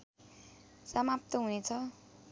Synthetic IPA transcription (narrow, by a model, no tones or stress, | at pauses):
samap̚t̪ʌɦunet͡sʰʌ